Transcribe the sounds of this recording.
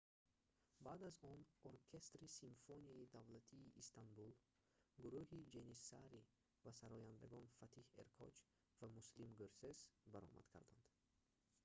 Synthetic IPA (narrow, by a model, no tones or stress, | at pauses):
bad̪azɔnoɾkʰest̪ɾisimfoniid̪avlat̪ʰiːʔːst̪anbul | ɡuɾuhid͡ʒenisaɾi | vasaɾɔjand̪aɡɔnfat̪ʰihḛɾkʰɔ̰t͡ʃ | vamuslimɡøɾsezbaɾɔ̰mʔa̰d̪̥kʰa̰ɾd̪a̰nd̪̥